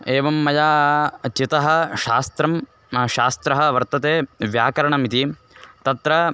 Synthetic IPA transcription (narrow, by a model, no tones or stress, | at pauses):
eːʋɐmːɐjaːt͡ʃit̪ɐɦɐ̆ʃaːst̪ɾɐm | ʃaːst̪ɾɐɦɐʋɐɾt̪ɐt̪eːʋjaːkɐɾɐɳɐmit̪i | t̪ɐt̪ɾɐ